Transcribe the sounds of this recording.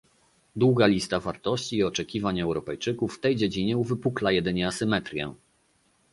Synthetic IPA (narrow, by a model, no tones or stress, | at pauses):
d̪wuɡalʲist̪avaɾt̪ɔɕt͡ɕiːɔt͡ʂɛkʲivaɲɛwɾɔpɛjt͡ʂɘkufːt̪ɛjd͡ʑed͡ʑiɲɛuvɘpuklajɛd̪ɘɲɛasɘmɛt̪ɾʲjɛ̰